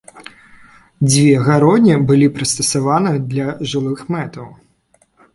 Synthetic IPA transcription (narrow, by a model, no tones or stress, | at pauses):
d͡zʲvʲɛɣaɾɔd̪ʲnʲibɨlʲipɾɨst̪ɐsavanɨd̪lʲɐʐɨlˠɨxmɛt̪ɐw